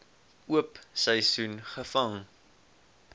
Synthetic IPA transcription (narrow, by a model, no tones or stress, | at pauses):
uəpsəjsunχəfɐŋ